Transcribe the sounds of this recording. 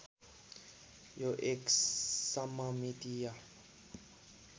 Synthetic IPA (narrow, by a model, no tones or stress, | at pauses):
joʔekssamamid̪ija